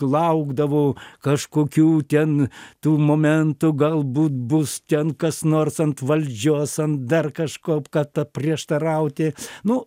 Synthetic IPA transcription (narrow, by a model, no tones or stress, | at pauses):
lˠɐʊɡd̪ɐʋoːkɐʃkoːkʲuːt̪ʲɛnt̪uːmoːmʲɛnt̪ʊɡɐlˠbuːt̪bʊst̪ʲɛnkɐsnoːrsɐnt̪ʋɐlʲd͡ʒʲoːsɐnt̪̚d̪ɐrkɐʃkoːpkɐt̪ɐpʲrʲiɛʃt̪ɐɾɐʊt̪ʲɪnʊ